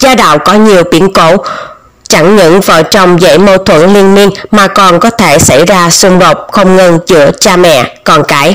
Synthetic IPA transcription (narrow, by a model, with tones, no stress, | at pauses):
zaː˧ɗa̰ː˧˨wkɔ˨˦ɲi˨˩əwɓḭ˨˦ənko̰˧˥ | t͡ɕa˧˩ŋɲəɨ̰˧˥nvaː˨˩wt͡ɕɔ˧wŋ͡mzə̰˧˥jmo˧t̪ʰwə̰˧˥nli˧ənmi˧ənmaː˨˩kɔ˨˩nkɔ˨˦t̪ʰe˧˩sa˧˩jzaː˧sʊ˧ŋ͡mɗo˨˩t̚xə˧wŋ͡mŋə˧nt͡ɕɨ̰˧˥ət͡ɕaː˧mɛ̰˧˨kɔ˨˩nkaː˨˧˦j